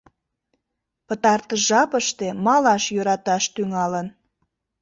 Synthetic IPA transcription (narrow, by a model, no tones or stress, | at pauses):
pət̪ɑrt̪əʒɑpəʃt̪emɑlɑʃjøɾɑt̪ɑʃt̪yŋɑlən